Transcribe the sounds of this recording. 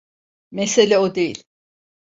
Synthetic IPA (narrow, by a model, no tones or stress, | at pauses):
meselʲɛod̪e̞jḭlʲ